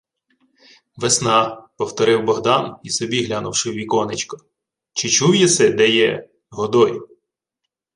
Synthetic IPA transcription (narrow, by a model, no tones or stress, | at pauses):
ʋesnɑpɔwt̪ɔɾɪwbɔɦd̪ɑnisɔbʲiɦlʲanʊwʃɪwʋʲikɔnɪt͡ʃkɔ̥ | t͡ʃɪt͡ʃuwjɛt̪sɛd̪ɛjɛ | ɦɔd̪ɔj